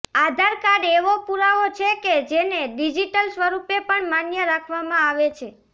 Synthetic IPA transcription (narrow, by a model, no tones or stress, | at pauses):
ad̪ʱaɾkaɾeʋopuɾaot͡ʃʰeked͡ʒeneɖid͡ʒiʈəlsʋəɾupepəɳmanjəɾakʰʋamãaʋet͡ʃʰe